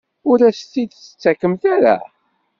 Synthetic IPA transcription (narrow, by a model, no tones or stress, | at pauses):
ʊɾæst̪ːid̪t͡sə̥t͡sːækːəmθæɾæ̰